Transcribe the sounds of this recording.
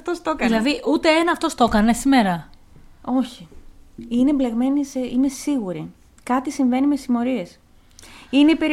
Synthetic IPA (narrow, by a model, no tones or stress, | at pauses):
ft̪ost̪okɐðilɐðiʔut̪e̞enɐːft̪o̞st̪o̞kɐne̞sime̞ɾɐ | o̞çi | inemble̞ɣme̞niseine̞siɣuɾi | kɐt̪isiɱve̞nimesimo̞ɾie̞s | ineipe̞ɾ